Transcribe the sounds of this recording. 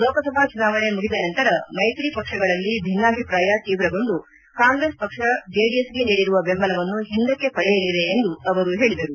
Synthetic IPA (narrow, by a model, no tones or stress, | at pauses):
lɔːkɐsɐbʱaːt͡ʃunaːʋɐne̞muɡid̪ɐnɐnt̪ɐɾɐmɐjt̪ɾipɐkʂɐɡɐɭɐlːibʱinːaːbʱipɾaːjɐt̪iːʋɾɐɡond̪u | kaːŋɡɾe̞ːspɐkʂɐd͡ʒeːɖijesɡe̞niːɽiɾuʋɐbembɐlɐʋɐnːuɦind̪ɐkːe̞pɐɽɛjɐlːiʋe̞ːnd̪uɐʋɐɾuɦeːɭid̪ɐɾu